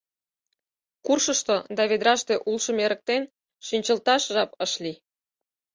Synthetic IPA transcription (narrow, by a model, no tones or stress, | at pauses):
kurʃəʃt̪od̪ɑβed̪ɾɑʃt̪eʔulʃə̆meɾə̆k̚t̪en | ʃinʲt͡ɕəlt̪ɑʃʒɑpəʃlʲi